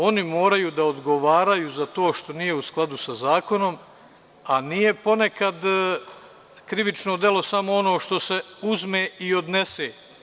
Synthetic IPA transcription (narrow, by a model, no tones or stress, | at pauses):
o̞nimo̞ːɾajuːd̪aod̪ɡo̞ʋaːɾajuzat̪o̞ːʃt̪o̞nije̞usklˠad̪usazaːko̞no̞m | anije̞po̞ne̞kad̪ | kɾiʋit͡ʃnod̪je̞lˠo̞samo̞ono̞ːʃt̪o̞se̞uzmeːio̞d̪ne̞seː